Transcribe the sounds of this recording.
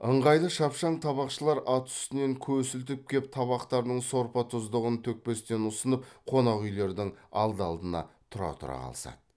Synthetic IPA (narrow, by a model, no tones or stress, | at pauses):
əɴʁɑjlˠəʃɑpʃɑɴt̪ʰɑβɑqʃəlˠɑɾɑt̪ʏ̥st̪ɪne̞ŋkʲʰɵsɪlt̪̬ɪp̚kʲʰe̞p̚t̪ʰɑβɑqt̪ɑɾd̪əɴso̞ɾpɑt̪ʰʊzd̪əʁənt̪ʰɵk̚pe̞st̪e̞nʊsənəp̚qʰo̞nɑʁʏjle̞ɾd̪ɪŋɑ̰lˠd̪əɑlˠd̪ənɑ̰t̪ʰʊɾɑ̰t̪ʰʊɾɑ̰qʰɑ̰lˠsɑ̰d̪ə